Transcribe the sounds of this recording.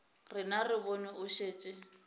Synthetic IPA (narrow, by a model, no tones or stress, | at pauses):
rɪnarɪbɔnɪʊʃeːt͡ʃʼɪ